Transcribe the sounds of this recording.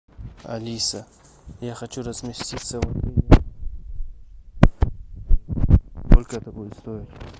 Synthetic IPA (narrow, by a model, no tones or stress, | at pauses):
ɐ̰lʲisə | jaxɐt͡ɕuɾəzmʲɪsʲtʲit̪səvɐt̪ɾʲinʲe | kolʲkəɛt̪ɐkojʊst̪oɪtʲ